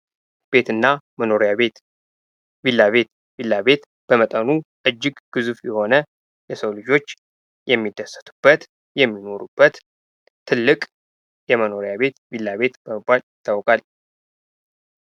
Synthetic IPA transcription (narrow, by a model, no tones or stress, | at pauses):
b̥e̞t̪ɨnːaməno̞ɾijaβe̞t̪ | bilːaβe̞t̪ | bilːaβe̞t̪ | b̥əmət̪ʼənuʔɨd͡ʒːɪɡɡ̥ɨzufjɛho̞nə | jɛsəwlɨd͡ʒo̞t͡ʃː | jɛmːid̪ːəsə̥t̪ʰu̥b̥ːət̪ | jɛmːino̞ɾubːət̪ʰː | ɨlːɨkʼ | jɛməno̞ɾijaβe̞t̪bilːaβe̞t̪b̥əməbːaljɪt̪ʰːawkʼal